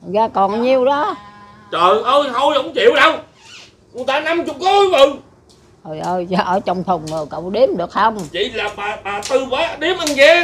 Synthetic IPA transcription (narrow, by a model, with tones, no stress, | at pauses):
ɣaː˧kɔ˨˩nɲi˧əwɗɔ˨˦ | t͡ɕəː˨˩nʔəː˧jt̪ʰo˧jhə˧˦wŋ͡mt͡ɕḭ˨˧˨əwɗə˧w | kʊ˨t̪aː˧na˧mt͡ɕʊ˨˩k͡p̚kɔ˨˦˧mə˨˩˨ŋ | ʔo˨˩jʔəː˧jzɔ˨˩ʔəː˧˩t͡ɕɔ˧wŋ͡mt̪ʰə˨˩ŋ͡mŋə˨˩kə̰˧˨wɗi˨˧˦əmɗɨ˨˩ək̚hə˧wŋ͡mt͡ɕḭ˧˨laː˨˩ɓaː˨˩ɓaː˨˩t̪ɨ˧vaː˨˦˧ɗi˨˦˥əmʔa˧nɣɛ˧˦